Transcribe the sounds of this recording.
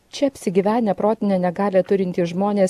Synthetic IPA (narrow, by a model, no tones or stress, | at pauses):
t͡ʃʲɛɐpʲsʲɪɡʲiːʋʲæːnʲɛpɾoːt̪ʲɪnʲɛnʲɛɡɑːlʲɛt̪ʊɾʲɪnʲt̪ʲisʒmoːnʲeːs